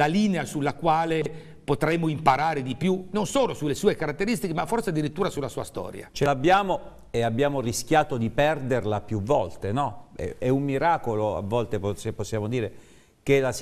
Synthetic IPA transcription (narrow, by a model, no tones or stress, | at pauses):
lalineasulːakwaːle | pot̪ɾɛmːoimpaɾaːɾed̪ipjunonsoːlosulːesuːekaɾat̪ːeɾist̪ikemafːorsead̪ːiɾit̪ːuːɾasulːasuːast̪ɔ̰ːɾja̰t͡ʃelabːjaːmo | eabːjaːmorisk̟jaːt̪od̪ipɛrd̪erlapjuvɔlt̪enɔɛ̰ɛumːiɾaːkoloa̰vːɔlt̪epseposːjaːmod̪iːɾe | kelas